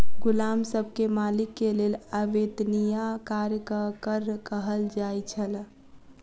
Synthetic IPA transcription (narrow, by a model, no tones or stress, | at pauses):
ɡulamsəbʱkemalikːelelaʋed̪nijakaɾjkəkəɾkəɦəld͡ʒajt͡ʃʰəl